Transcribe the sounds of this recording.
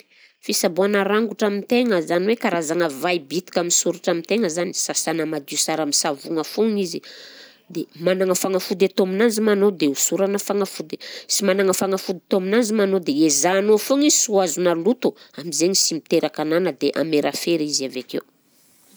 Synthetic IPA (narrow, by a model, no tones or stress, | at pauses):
fisabuanaɾaŋɡuʈ͡ʂamint̪eŋəzaniwekaɾazaŋəvajbit̪i̥kʲaminsuɾuʈ͡ʂamint̪eŋəzani̥sasanəmad̪isaɾamisavuŋəfuŋizi | d̪emanaŋəfaŋafud̪et̪oaminand͡zimanod̪eusuɾanəfaŋafud̪e̥simanaŋəfaŋafud̪t̪aminanzimanod̪eezaːnofuŋizsuazunəlut̪uamizeɲisimit̪eɾakananəd̪eʔa̰meɾʔafeɾizavakḛw